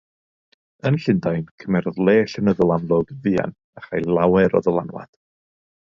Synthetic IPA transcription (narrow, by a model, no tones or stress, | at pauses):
ənɬɪndajnkʰəmɛrðlˠeːɬənəðəlˠanlˠɔɡvia̰n | aχajlˠawɛɾɔ̰ðəlˠa̰nwa̰d̥